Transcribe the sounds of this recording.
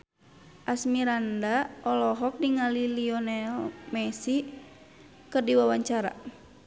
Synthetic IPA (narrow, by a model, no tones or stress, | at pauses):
ʔasmiɾandaɔlɔɦɔk̚diŋaliliɔnɛlmɛsi | kɨrdiwawaɲt͡ʃaɾa̰